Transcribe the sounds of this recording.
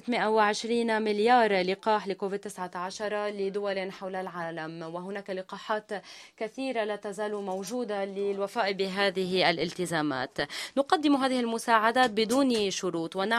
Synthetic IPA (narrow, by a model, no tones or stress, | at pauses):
ɪt̪mɪʔawɪʕɪʃɾiːnmɪljɑːɾˤlɪqɑːħlɪkoːvɪd̪̚t̪ːɪsʕat̪aʕaʃɑɾˤɑlɪd̪ʊwalanħawlalʕaːlamwɪɦʊnaːkalɪqɑːħaːt̪kaθiːɾalaːt̪azaːlumowʒuːd̪alɪlwafaːʔbɪɦaːðɪɦiʔalʔɪlt̪ɪzaːma̰ːt̪nʊqad̪ːɪmuɦaːðɪhɪlmʊsaːʕad̪aːt̪̚bɪd̪uːnʃʊɾuːt̪wɪna